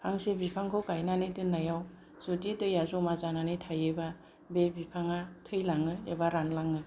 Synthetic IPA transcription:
pʰaŋsebipʰaŋkʰɯwkajnanɯdɯnːajaw | z̥udidɯjazɔmazananɯtʰajɯba | bebipʰaŋatʰɯjlaŋɯebaɾanlaŋɯ

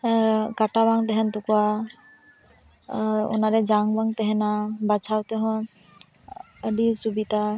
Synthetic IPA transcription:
kaʈaβaŋt̪ɛɦɛnt̪ukua | ɔ̰naɾɛd͡ʒaŋbaŋt̪ɛɦɛnabat͡ʃʰawt̪eɦɔ̃ | əɖisubit̪a

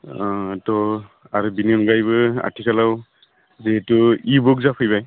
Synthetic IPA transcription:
tɔ | aɹubininɡajbɯa̰tʰikʰalaw | zetʊibukzapʰujbaj

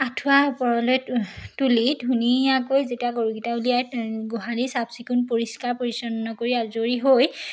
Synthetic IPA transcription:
atʰuapɔɹɔlojtulidʱuniakojzetiaɡoɹuɡitaulijajɡoɦalisabsikunpoɹiskaɹpoɹisɔnnɔkoɹiazoɹiɦoj

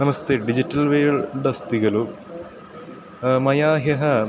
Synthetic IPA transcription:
nɐmɐst̪eːɖid͡ʑitːɐlʋeːɭɖɐst̪iɣɐlu | mɐjaːɦjɐɦɐ

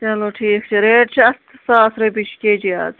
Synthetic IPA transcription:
t͡ʃɐloːʈʰiːkt͡ʃʰiɾeːʈt͡ʃʰiɐst̪ʰsaːɐsɾeːbiʃʰkeːd͡ʒia̰ːz

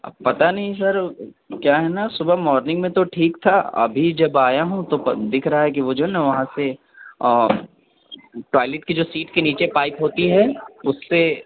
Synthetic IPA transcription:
pɐt̪anɐɦĩsɐɾ | kjaːɦɛnasʊbəmɔːɾnɪ̃ŋɡmẽt̪oʈʰiːkt̪ʰaɐ̰bʱid͡ʒɐbaːjaɦũt̪od̪ɪkʰɾɐɦaɦɛk̬iʋod͡ʒoːɦɛnɐʋɐɦãse | ʈaːɪlɪʈkid͡ʒoːsiːʈkeniːt͡ʃepaːɪpɦoːt̪iɦɛʊsːe

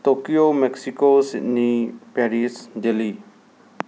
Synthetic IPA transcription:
t̪oːkijoːmɛksikosɪnipɛːɾisd͡ʒeli

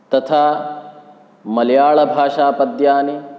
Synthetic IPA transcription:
t̪ɐt̪ʰaː | mɐlɐjaːɭɐbʱaːʂaːpɐd̪jaːni

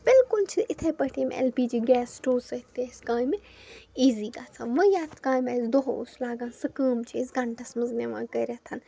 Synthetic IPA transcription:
b̥ɪlkʊlt͡ʃʰiɪt̪ʰepɐʈʰiːmḛlpiːd͡ʒiːɡɛːsʈoːsɐt̪ːeskãːjmi | iːziːɡaːt͡sʰãːnʋɐ̃jaːt̪ʰkãːjmɐsd̪oɦslaːɡãːnsɐkəːmt͡ʃʰisɡɐɳʈʰɐsmɐzneʋã̰ːkɐːɾʲat̪ʰɐn

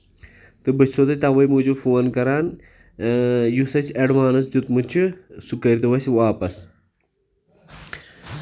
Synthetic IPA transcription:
t̪ɨbɨt͡ʃʰot̪ɐt̪aʋɐjmud͡ʑufoːnkɐɾaːn | jusɐsɐɖmaːnɐs̬d̪ut̪mut͡ʃʰisukɐɾʲt̪ɨwɐswaːpɐs

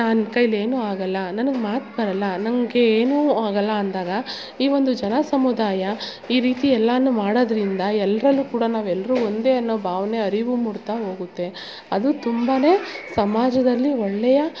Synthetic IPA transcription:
naːnkɐjle̞ːnuːaːɡɐlːɐnɐnɐɡmaːt̪bɐɾɐlːɐnɐmɡeeːnuːaːɡɐlːɐːnd̪aːɡɐ | iːʋo̞nd̪ud͡ʒɐnɐsɐmud̪aːjɐ | iːɾiːt̪iɛlːɐɐnːumaːɽoːd̪ɐɾind̪ɐɛlːɐɾɐlːukuːɽɐnaːʋɛlːɐɾuond̪e̞ɐnːoːbʱaːʋɐne̞ɐɾiʋumuɽt̪aɦo̞ːɡut̪ːe̞ | ɐd̪ut̪umbaːne̞ːsɐmaːd͡ʒɐd̪ɐlːiɔɭːɛjɐ

